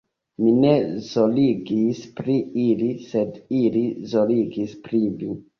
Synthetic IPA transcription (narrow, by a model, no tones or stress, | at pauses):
mine̞zo̞liɡispɾiilise̞dilizo̞liɡispɾivi